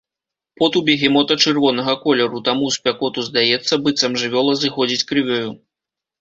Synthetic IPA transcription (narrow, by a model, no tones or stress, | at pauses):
pɔt̪ubʲɛɣʲimɔt̪ɐt͡ʂɨrvɔnɐɣɐkɔlʲɛɾut̪amuspʲakɔt̪uzd̪ajɛt̪sːɐbɨt̪sɐmʐɨvʲɔlˠɐzɨxɔd͡zʲit͡sʲkɾɨvʲɔju